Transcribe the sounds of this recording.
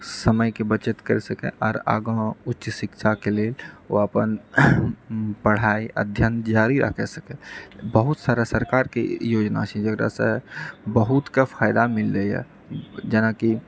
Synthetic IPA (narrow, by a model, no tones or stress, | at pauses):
səməjkebət͡ʃət̪kəɾɛsəkɛ̰ʔɔːɾa̰ɡə̃utːʃsikt͡ʃʰakelelo̰əpən | pəɽ̤aiʔə̰d̪ʱjənt̪d͡ʒaɾiɾʔə̰kʰɛsəkɛbəɦut̪saɾasəɾkaɾkejod͡ʒna̰t͡ʃʰɛd͡ʒəɡɾa̰sə̃bəɦut̪kepʰaɪd̪amilːɛjɛ̰ | d͡ʒenaki